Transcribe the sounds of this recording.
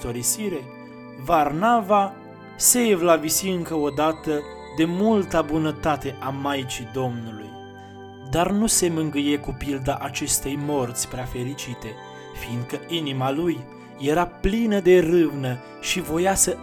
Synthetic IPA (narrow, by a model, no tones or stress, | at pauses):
t̪oɾisiɾe̞ | varnava | se̞vlavisiɨŋkəo̞d̪at̪ə | d̪e̞mult̪abunət̪at̪e̞ʔamajt͡ʃid̪o̞mnuluj | d̪arnuse̞mɨŋɡɨje̞kupild̪aʔat͡ʃe̞st̪e̞jmo̞rt̪sʲpɾeafe̞ɾit͡ʃit̪e̞ | find̪̚kəʔinimalujː | e̞ɾaplinəd̪e̞rɨvnə | ʃivo̞jasə